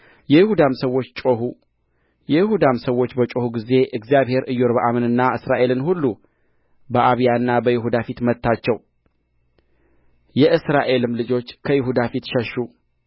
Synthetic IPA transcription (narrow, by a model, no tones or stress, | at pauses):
jɛjɪhud̪amsəwːo̞t͡ʃːt͡ʃʼohu | jɛjɪhud̪amsəwːo̞t͡ʃːbət͡ʃʼo̞huɡize̞ʔɨɡzijaβhe̞ɾʔɨjːoɾbəʔamɨnɨnːaɨsɾaʔe̞lɨnhulːu | bəʔaβijaɨnːabəjɪɦud̪afit̪mət̪ːat͡ʃːɛw | jɛʔɨsɾaʔe̞lɨmlɨd͡ʒo̞t͡ʃːkʰəjɪɦud̪afit̪ʃɛʃːu